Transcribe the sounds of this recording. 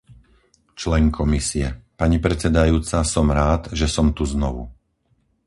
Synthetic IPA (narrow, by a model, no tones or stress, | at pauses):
t͡ʃlɛŋkʰɔmisiɛpaɲipɾɛt͡sɛd̪ajuːt͡sasɔmɾaːd̪ʒɛsɔmt̪uznɔʋu